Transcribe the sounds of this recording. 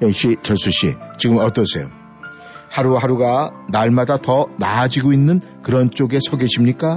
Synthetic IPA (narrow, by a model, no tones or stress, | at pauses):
jʌkɕ͈ʰit͡ɕʌsʰuɕ͈ʰit͡ɕiɡɯmʌt͈ʌsʰe̞̰jo | haɾuhaɾuɡanaɭmadatʌnaːd͡ʑiɡoinːɯn | kɯɾʌnt͡ɕ͈oɡe̞sʰʌɡeɕʰimɲik͈a